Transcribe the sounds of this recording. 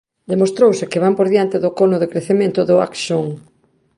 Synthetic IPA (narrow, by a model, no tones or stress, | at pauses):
d̪emost̪ɾowsɪkɪβampoɾðjant̪ɪðʊkonʊðekɾeθemẽnt̪ʊðʊa̰kʃoŋ